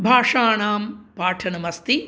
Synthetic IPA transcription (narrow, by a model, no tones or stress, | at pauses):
bʱaːʂaːɳaːmpaːʈʰɐnɐmɐst̪i